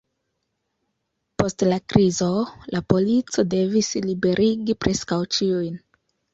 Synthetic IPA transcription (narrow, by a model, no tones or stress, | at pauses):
po̞stlakɾizo̞lʔapo̞lit͡so̞de̞vislibe̞ɾʔiɡipɾʔe̞skawt͡ʃiujn